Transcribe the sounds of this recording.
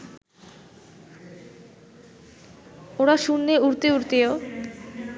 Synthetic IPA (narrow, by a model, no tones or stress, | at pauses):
oɽaʃunːeuɾt̪euɾt̪eo